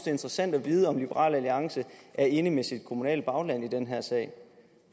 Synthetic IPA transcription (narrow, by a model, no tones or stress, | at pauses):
d̥e̝nd̥ʁəsæn̰d̥æʋiːðˠəɒ̽mlib̥əʁɑ̰̈ːlæliɑ̈ŋsəʔæɐe̝nəmesid̥̚kʰo̝munɛ̰ːl̚b̥ɑ̈ʊlæn̰id̥enɦæɐ̰sɛ̰ɪ